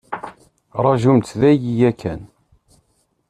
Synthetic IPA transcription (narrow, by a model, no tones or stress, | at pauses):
ɾˤɑʒumt̪ðæjijækʰːæn